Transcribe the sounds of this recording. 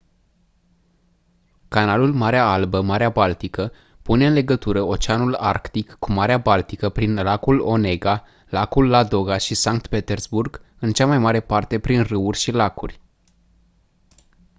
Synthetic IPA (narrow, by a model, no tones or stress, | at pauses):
kanalulmaɾeaalbəmaɾeabalt̪ikə | pune̞ɨnle̞ɡət̪uɾəo̞t͡ʃeanula̰rkt̪ikːumaɾeabalt̪ikəpɾinlakulo̞ne̞ɡa | lakulːad̪oɡaʃisaŋk̚t̪pe̞t̪e̞rzburɡ | ɨnt͡ʃamajmaɾe̞part̪e̞pɾinrɨurʲʃilakurʲ